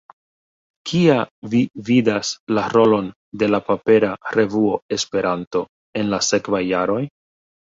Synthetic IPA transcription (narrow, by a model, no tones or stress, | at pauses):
kʰiavividaslaɾo̞lo̞n | de̞lapape̞ɾaɾe̞vuo̞e̞spe̞ɾanto̞ | e̞nlase̞kvajːaɾo̞j